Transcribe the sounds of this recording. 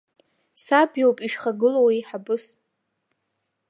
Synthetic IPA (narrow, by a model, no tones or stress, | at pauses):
sabjowpʼiʃᶣχaɡɨlowiħabɨsʼ